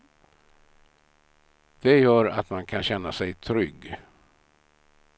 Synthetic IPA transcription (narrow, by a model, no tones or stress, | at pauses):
d̪̥ɛjœːɾa̰t̪mankʰanɕɛnːasɛjt̪ʰɾʏɡː